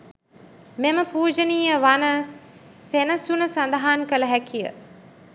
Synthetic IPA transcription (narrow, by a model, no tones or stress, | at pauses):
meməpuːd͡ʒəniːəʋanəsenəsunəsand̪aɦaːnkələɦækʰijə̰